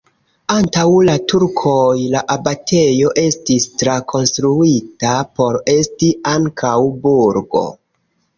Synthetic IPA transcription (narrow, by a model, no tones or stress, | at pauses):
antawlatuɾkʰo̞jlaʔabatʰe̞jo̞ʔe̞stistɾakʰo̞nstɾuitapo̞ɾe̞stiʔaŋkʰawbuɾɡo̞̰